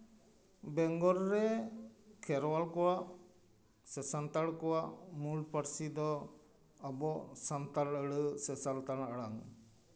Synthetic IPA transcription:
bɛŋɡɔɾɾɛ | kʰɛɾwalkɔwaʔ | sɛsant̪aɭkɔwaʔmulpaɾsid̪ɔ | əbɔsant̪aləɽəsɛsalt̪anaɽaŋ

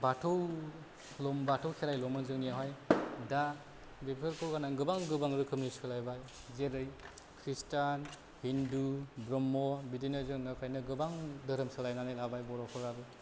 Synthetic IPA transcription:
batʰɯw | lɔmbatʰɯwkʰeɾajlɔmɯnzɯŋnijaɦajda | bepʰɯɾkʰɯɡanaɡɯbaŋɡɯbaŋɾɯkʰɯmnisɯlajbaj | zeɾɯj | kʰɾistan | hindubɾɔmːɔbidijnɯzɯŋnakʰajnɯɡɯbaŋdɯɾɯmsɯlajnanelabajbɔɾɔkʰɔɾabɯ

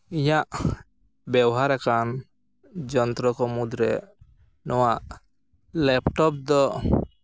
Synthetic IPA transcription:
ijaʔ | bɛwɦaɾakan | d͡ʒɔnt̪ɾɔkɔmud̪ɾɛ | nɔwaʔ | lɛpʈɔp̚d̪ɔ

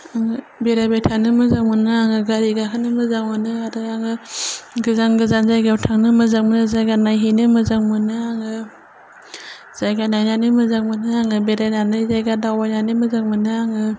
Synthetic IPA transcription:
aŋɯ | beɾabetʰanɯmɯzaŋmɯnɯaŋɯɡaɾiɡakʰɯnɯmɯzaŋmɯnɯaɾɯaŋɯɡɯzanɡɯzanzajɡawtʰaŋnɯmɯzaŋmɯnɯzajɡanajɦinɯmɯzaŋmɯnɯaŋɯ | z̥ajɡanajnanɯmɯzaŋmɯnɯaŋɯbeɾajnanɯzajɡadawajnanɯmɯzaŋmɯnɯaŋɯ

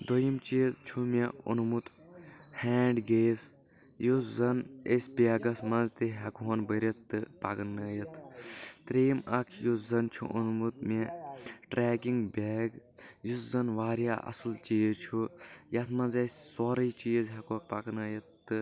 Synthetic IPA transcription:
d̪ojimt͡ʃiːzt͡ʃʰumeṵnmut̪heːɳɖɡeːs | juszɐnesʲbʲeːɡɐsmɐnzt̪iɦɐkɦonbəɾʲɐt̪ːɨpɐ̰knɐjɐt̪ʰt̪ɾeːmɐkʰjuszɐnt͡ʃʰṵʔunmut̪meʈɾeːkiŋɡbeːɡjuszɐnʋaːɾja̰ːʔɐ̰sɨlt͡ʃiːzt͡ʃʰujɐt̪ʰmɐ̃nzesʲsoːɾɐt͡ʃiːzɦɐkopɐknɐːjɐt̪ːɨ

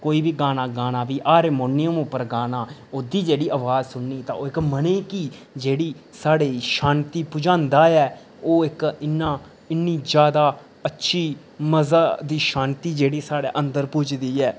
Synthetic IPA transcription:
koːiːbiːɡaːnaːɡaːnaːʋiːʔaːɾeːmoːnɪəmʊpːəɾɡaːnaːoːd̪iːd͡ʒeːɽiːʔəʋaːd͡ʒsʊnːiːt̪ã̰ːoːɪkməneːkiː | d͡ʒeːɽiːsaːɽeːʃaːnt̪iːpʊd͡ʒãːnd̪aːɛː | oːɪkɪnːaː | ɪnːiːd͡ʒjaːd̪aː | ətːʃʰiː | məzaːd̪iːʃaːnt̪iːd͡ʒeːɽiːsaːɽeːʔənd̪əɾpʊt͡ʃʰd̪iːɛː

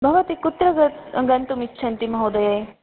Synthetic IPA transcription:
bʱɐʋɐt̪ikʊt̪ɾɐɡɐt̪ɡɐnt̪umit͡ʃʰɐnt̪imɐɦoːd̪ɐje

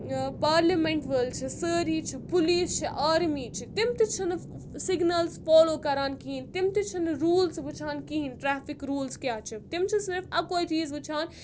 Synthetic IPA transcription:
paːɾlɐmeɳʈʋəːlt͡ʃʰisəːɾiːt͡ʃʰipuliːst͡ʃʰiʔaːɾmiːt͡ʃʰit̪imt̪it͡ʃʰɐn | siɡnɐlsfoːloːkɐɾaːnkiɦint̪imt̪it͡ʃʰinɾuːlsbɨt͡ʃʰaːnkiɦinʈɾaːfikɾuːlskjaːt͡ʃʰit̪imt͡ʃʰisiɾfɐkoːit͡ʃiːzbɨt͡ʃʰaːn

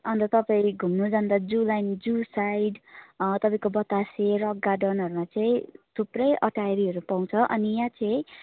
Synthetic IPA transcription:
ʌnt̪ʌt̪ʌpaĩɡʱumnod͡zʌnd̪ad͡zulajnd͡zusajɖt̪ʌpaĩkobʌt̪aserʌɡːaɖʌnʌɾumat͡sʌĩt̪ʰuprʌjʔʌʈajɾiʌɾupaw̃t͡sʰʌʔʌ̰nijãt͡sʌ̃ĩ

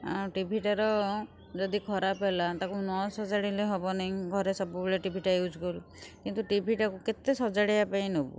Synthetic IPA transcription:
aʈibʱiʈaɾɔ | d͡ʒɔd̪ikʰɔɾapelat̪akunɔsɔd͡ʒaɽilejɦɔbɔnaj̃ɡʱɔɾesɔbubileʈibʱiʈajud͡ʒɡol | kint̪uʈibʱiʈakuket̪esɔd͡ʒaɽijapaĩnobṵ

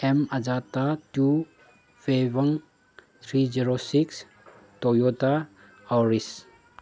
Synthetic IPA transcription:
emad͡ʒatatu | febəŋ | t̪ʰɾiziɾosiks | tɔjota | awɾis

